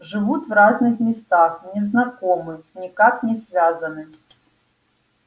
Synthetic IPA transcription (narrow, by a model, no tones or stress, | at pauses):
ʐɨvut̪vraznɨxmʲɪst̪axnʲɪznɐkomɨnʲɪkaknʲɪsvʲazɐnɨ